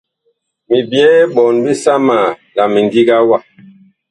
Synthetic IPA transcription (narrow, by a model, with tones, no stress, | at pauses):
mi˨bjɛː˦ɓɔ˨nbi˦sa˦ma˨la˨mi˨ndi˦ɡa˦wa˦˨